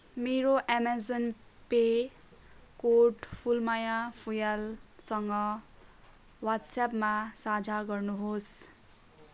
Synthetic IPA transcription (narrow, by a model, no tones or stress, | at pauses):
meɾoʔamad͡zon | pe | koʈpʰulmajapʰujalsʌŋɡʌ | wat̪sapmasad͡zʱaɡʌrnuɦos